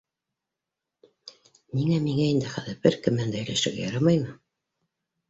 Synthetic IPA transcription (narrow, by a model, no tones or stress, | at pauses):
niŋæmiŋæind̪ɘχæðɘɾbɘɾkɘmænd̪æɘ̆læʃɘ̆ɾɡæ̰jɑɾɑmɑjmɤ